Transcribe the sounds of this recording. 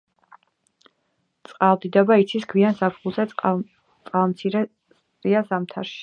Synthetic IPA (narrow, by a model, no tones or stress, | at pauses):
t̪sʼqʼalˠd̪id̪abait̪sʰiskʰwiansapχulˠzɛ | t̪sʼqʼalˠmt̪sʰiɾɛ | sʼɾiasamt̪ʰa̰ɾʃi̥